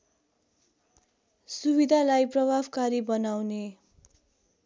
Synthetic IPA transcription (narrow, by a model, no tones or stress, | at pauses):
subid̪ʱalajprʌbʱabkaɾibʌnawne